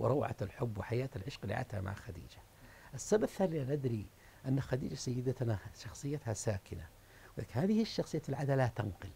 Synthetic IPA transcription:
wɪ̰ɾˤɑwʕa̰lħʊbːwɪħajaːt̪alʕɪʃqlḭʕa̰t̪a̰ma̰ʕaxad̪ḭːd͡ʒa | ʔɪsːabaθːaːlɪlanʔad̪ɾi | ʔanːaxad̪ḭːd͡ʒasajːɪd̪at̪naʃɑxsˤɨjːat̪hasaːkɪna | wla̰ːkhaːðɪhɪʃːɑxsˤɨjːafɪlʕad̪alat̪anqɨl

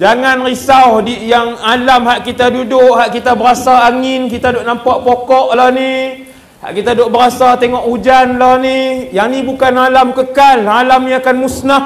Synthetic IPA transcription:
d͡ʒaŋanrisawdijaŋalamɦaʔkit̪adudʊʔhaʔkit̪abəɾasaaŋɪnkit̪adʊʔnampaʔpokɔʔlahni | ha̰ʔkit̪adʊʔbəɾasat̪eŋɔʔud͡ʒanlahnijaŋnibukanalamkəkalalamjiakanmusnah

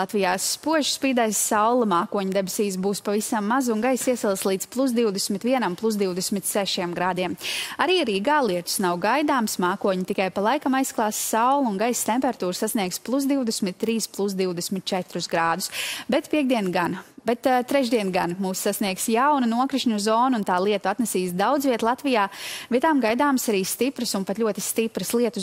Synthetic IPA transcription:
lˠat̪vijaːsːpuɔʒspiːd̪ajssawlˠɨmaːkuɔɲud̪ɛbesiːs̬buːspavisamːazunɡajsiɛsɛlˠslˠiːd̪plˠus̬d̪iwd̪ɛsmit̪viɛnamplˠus̬d̪iwd̪ɛsmit̪sɛʃiɛmɡɾaːd̪iɛmaɾiːaɾiːɡaːlˠiɛt̪u̥snawɡajd̪aːmsmaːkuɔɲit̪ikajpalˠajkamajsklˠɑːssawlˠunɡajst̪ɛmpɛɾat̪uːɾsasniɛɡsplˠusd̪iwd̪ɛsmit̪ːɾiːsplˠus̬d̪iwd̪ɛsmit̪̚t͡ʃɛt̪ɾusɡɾaːd̪usbɛt̪piɛɡ̚d̪iɛnɡanbɛt̪t̪ːɾɛʒd̪iɛnɡanmuːsːasniɛksjawnanuɔkɾiʃɲuzɔːnuunt̪aːlˠiɛt̪uat̪nɛsiːsd̪awd̪zviɛt̪lˠat̪vijaːvʲiɛt̪aːmɡajd̪aːmsaɾiːst̪ipɾɨsunpat̪lʲuɔt̪i̥st̪ipɾɨslˠiɛt̪u

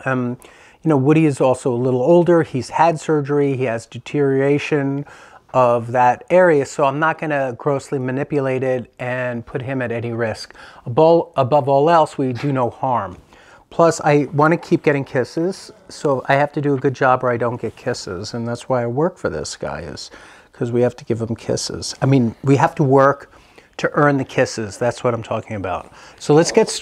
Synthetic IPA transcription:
ʌ | jɨnoʊwʊɾiɨzɔlˠsoʊəlɪɾl̩ˠoʊlˠdə˞iz̥hædsɜ˞d͡ʒə˞iiɨzdɨtʰɪɹieɪʃɨ̃nʌvðɨɾɛɹiɨsoʊãɪ̃mnət̚ɡ̥ʌnɨɡɹoʊslimɨnɪpjɨleɪɾɪɾɨ̃npʰʊt̚ɦɨ̃mɨɾɛniɹɪskəbʌlˠəbʌvɔlˠɛlˠswidɨnoʊhɑɹm | pʰl̥ʌsa̰ɪwɑ̃nɨkʰip̚ɡ̥ɛɾɪ̃ŋkʰɪsɪz̥soʊa̰ɪhæftɨdɨːɡʊd̚d͡ʒɑbə˞aɪdõʊ̃nɡ̥ɛt̚kʰɪsɪ̰zɨ̃nðætswaɪaɪwɜ˞kfə˞ðɪ̰sɡ̥a̰ɪɪ̰z̥ | kʰʌzwihæftɨɡ̥ɪvðə̃m̩kʰɪ̰sɪ̰z̥aɪmĩnwiɦæftəwɜ˞k | tʰɨʔɜ̃˞nðɨkʰɪsɪzðætswʌɾãɪ̃mtʰɔkɪ̃ŋɨbaʊt̚soʊlɨtsɡ̥ɛts

